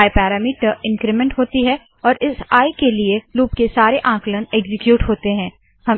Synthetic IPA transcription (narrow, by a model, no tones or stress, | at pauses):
epɛːɾaːmiːʈəɾɪ̃nkɾɪmɛ̃ɳʈɦoːt̪iɦɛ | ɔːɾʔɪsaːjkelieluːp̚kesaːɾeʔãːkləneːɡzɪkjuːʈɦoːt̪eɦɛ̃ː | hɐm